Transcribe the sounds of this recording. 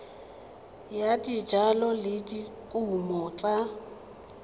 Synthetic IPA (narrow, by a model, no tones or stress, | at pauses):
jadid͡ʒalɔlɪdikʼuumɔt͡ɬʼa